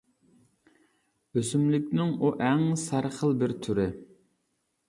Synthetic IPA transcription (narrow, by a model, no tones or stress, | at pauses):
øsymlɪkʲnɪŋuʔæŋsæɾχəlˠbɪɾt̪ʰyɾɪ